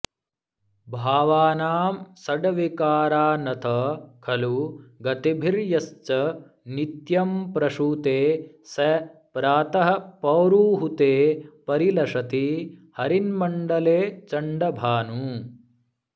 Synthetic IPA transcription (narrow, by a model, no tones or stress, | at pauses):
bʱaːʋaːnaːmsɐɖɐʋikaːɾaːnɐt̪ʰɐkʰɐluɡɐt̪ibʱiɾjɐst͡ʃɐ | nit̪jɐmpɾɐʂuːt̪eː | sɐpɾaːt̪ɐɦɐ̆pɐwɾuːɦut̪eːpɐɾilɐʂɐt̪ihɐɾinmɐɳɖɐleːt͡ʃɐɳɖɐbʱaːnuː